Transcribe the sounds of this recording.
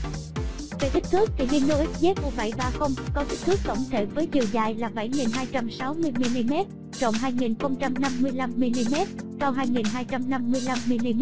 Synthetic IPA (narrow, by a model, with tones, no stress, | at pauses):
ve˨˩t̪ï˦˥k̟̚t̪ʰɨ˦˥ək̚t̪ʰi˨˩ni˧no˧ʔi˦˥t̚ze˦˥t̚ku˧˩ɓa̰˧˩jɓaː˧xə˧wŋ͡mkɔ˨˦t̪i˦˥k̚t̪ʰɨ˦˥ək̚t̪ə̰˧˩wŋ͡mt̪ʰḛ˧˩vəː˨˦jt͡ɕi˨˩əwza̰ː˧˩jlaː˨˩ɓa˧˩jŋi˨˩nɦaː˧jt͡ɕa˧msa˨˦wmɨ˧əjmi˧li˧mɛ˦˥t̚ | t͡ɕə̰˧˨wŋ͡mɦaː˧jŋi˨˩nxə˧wŋ͡mt͡ɕa˧mna˧mːɨ˧əjla˧mːi˧li˧mɛ˦˥t̚sa˧wɦaː˧jŋi˨˩nɦaː˧jt͡ɕa˧mna˧mːɨ˧əjla˧mːi˧li˧m˦˥